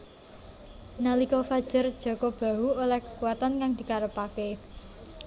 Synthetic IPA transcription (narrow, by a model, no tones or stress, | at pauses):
nalikɔfad̥ʒ̥ə̤rd̥ʒ̥ɔ̤kɔb̥a̤uolɛhkə̥kuwat̪ankaŋd̪̥i̤kaɾəpake